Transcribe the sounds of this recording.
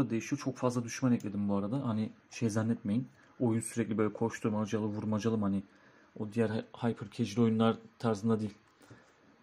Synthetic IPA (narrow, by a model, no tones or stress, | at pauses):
d̪e̞jiʃijt͡ʃʰo̞kfazlˠad̪yʃmanɛclʲe̞d̪imbuaɾad̪ahanɪʃejzænːɛt̪me̞jin | o̞junsyɾɛclʲibø̞jlʲɛkʰo̞ɾʃt̪ʰuɾmad͡ʒalˠɯvuɾmad͡ʒalˠɯmhanɪ | o̞d̪ijæɾhajpʰɯɾcʰed͡ʒiɾo̞junlˠaɾt̪ʰaɾzɯnd̪ad̪iːlʲ